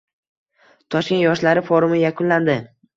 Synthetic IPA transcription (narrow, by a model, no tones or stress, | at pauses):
t̪ʰɒʃkʲe̞njɒʃlaɾɪfoɾʊmɪjakʰʊnland̪ɪ